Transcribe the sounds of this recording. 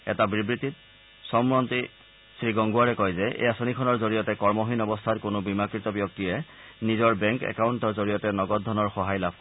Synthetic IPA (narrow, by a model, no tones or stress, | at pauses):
ɛ̰tabibɹitit | sɔmɹɔnti | sɹiɡɔŋɡuaɹɛkɔjzɛʔḛjasonikʰɔnɔɹzoɹijɔtɛkɔɹmɔɦinɔbɔstʰatkʊnobimakɹitɔbjɔk̚tiɹɛnizɔɹbɛŋkɛ̰kawuntɔɹzoɹijɔtɛnɔɡɔt̚dʱɔnɔɹxɔɦajlab̚ʱk